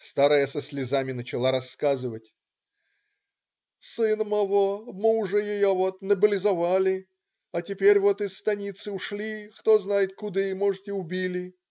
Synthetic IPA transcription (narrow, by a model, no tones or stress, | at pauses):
st̪aɾəjəsəsʲlʲɪzamʲɪnət͡ɕɪlˠaɾɐsːkazɨvətʲ | sɨnmɐvomɨʊʐɛjɪjovot̪nəbəlʲɪzɐvalʲɪ | ɐtʲɪpʲeɾʲvo̞t̪ɪsːt̪ɐnʲit̪sɨʊʂlʲixt̪oznajɪt̪̚kʊd̪ɨmoʐɨtʲɪʊbʲilʲɪ